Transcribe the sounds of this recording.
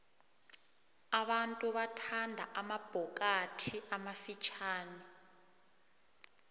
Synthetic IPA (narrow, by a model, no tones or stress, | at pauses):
aɓantʼuɓatʰandʱa̰ʔamab̥ʱɔk̬ʼatʰiamafit͡ʃʰaːni